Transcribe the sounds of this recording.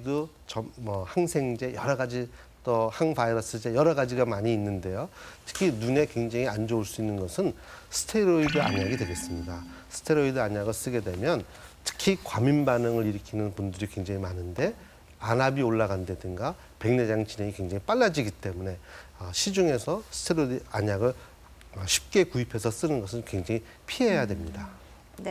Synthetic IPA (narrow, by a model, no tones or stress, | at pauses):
do | t͡ɕʌmʌhaŋsʰe̞ŋd͡ʑe̞jʌɾʌɡad͡ʑi | t͈ʌhaŋfʰaiɾʌs͈ʰɯd͡ʑe̞jʌɾʌɡad͡ʑiɡamaɲiːnːɯnde̞jotʰɯ̥kʰinune̞kwe̞ŋd͡ʑaŋiand͡ʑouɭs͈uinːɯnɡʌsʰɯnsʰɯ̥tʰe̞ɾoidɯa̰ɲaɡidwe̞ɡe̞s͈ɯmɲidasʰɯ̥tʰe̞ɾoidɯaɲaɡʌs͈ɯɡe̞dwe̞mjʌn | tʰɯ̥kʰikwaminbanɯŋɯɾiɾɯkʰinɯnpundɯɾikwe̞ŋd͡ʑaŋimanɯnde̞ | anabioɭːaɡande̞dɯŋɡa | pe̞ŋne̞d͡ʑaŋt͡ɕine̞ŋikwe̞ŋd͡ʑaŋip͈aɭːad͡ʑiɡit͈e̞mune̞ʌɕʰid͡ʑuŋe̞sʰʌsʰɯ̥tʰeɾoaɲaɡɯɭ | ɕʰi̥p̚k͈e̞kuipʰe̞sʰʌs͈ɯnɯnɡʌsʰɯnkwe̞ŋd͡ʑaŋi | pʰiɦejadwemɲida